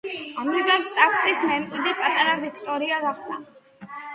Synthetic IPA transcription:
amɾikʼant̪ʼaχt̪ʼismɛmkʼid̪ɛpʼat̪ʼaɾavikʰt̪ʼɔɾiaɡaχd̪ʰʼa

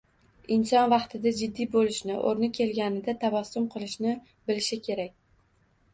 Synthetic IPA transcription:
ɪnsɒnvɑqt̪ʰɪd̪ad͡ʒɪd̪ːijbolɪʃnɪʔo̰ɾnɪkʲʰe̞lɡʲanɪd̪at̪ʰavɒsːʊmqʰɨlˠɪʃnɪ | bɪlɪʃɪkʲʰe̞ɾak̚ʲ

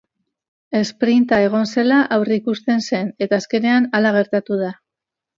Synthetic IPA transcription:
e̞spɾint̪ae̞ɣ̞o̞nse̞laʔawrikust̪e̞nse̞ne̞t̪aːske̞ne̞analaɣ̞e̞ɾt̪at̪uð̞a

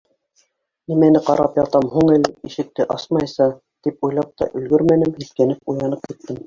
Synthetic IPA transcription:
nimænɘqɑɾʔɑpjɑt̪ɑmhuɴælɘiʃɘ̆k̚t̪ɘʔɑsmɑjsɑ | t̪ipujlˠɑp̚t̪ɑ̰ʔɵ̆lɡɵɾmænɘmhiθkænɘp̚ujɑnɤp̚kit̪ːɘm

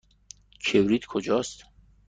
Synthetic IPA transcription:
kʰebɾit̪kʰod͡ʒɒːst̪

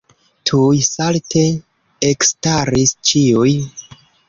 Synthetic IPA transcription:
tʰujsaltʰe̞ | ekstaɾist͡ʃiuj

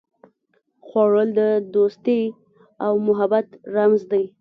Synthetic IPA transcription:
xwɑɻəld̪əd̪ost̪e | awmʊɦabat̪ɾamzd̪aj

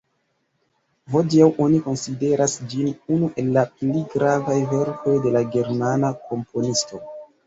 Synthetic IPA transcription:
vod͡ʒiawʔo̞niko̞nside̞ɾasd͡ʒinunuʔe̞lːapliɡɾavajve̞ɾko̞jde̞laɡe̞ɾmanakʰo̞mpʰo̞nisto̞

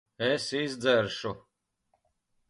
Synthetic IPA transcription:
ɛsizʲd̪zæɾʃu

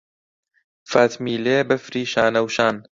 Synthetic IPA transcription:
faːt̪miːleːbɐfɾiːʃaːnɐwʃaːn

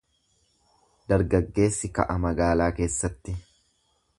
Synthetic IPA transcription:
d̪ɐɾɡɐɡːe̞ːsːɪkɐ̰ʔɐmɐɡaːlaːke̞ːsːɐt̪ːɪ

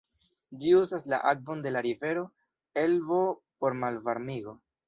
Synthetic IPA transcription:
d͡ʒiuzasla̰ʔak̚vo̞nde̞laɾive̞ɾo̞ | e̞lvo̞po̞ɾmalvaɾmiɡo̞

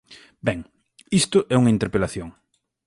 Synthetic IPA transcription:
bɛŋ | ist̪ʊʔɛuŋɐint̪eɾpelaθjoŋ

